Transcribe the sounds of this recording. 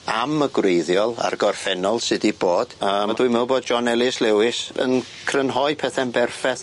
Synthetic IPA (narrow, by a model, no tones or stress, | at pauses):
aməɡwrejðjɔlˠa̰rɡɔrfɛnɔlˠsɪdiboːd̥əːmdwimɛwboːd̚d͡ʒɔnɛlˠɪslɛwɪsə̰n | kʰrənɦɔjpʰɛθɛnbɛrfɛθ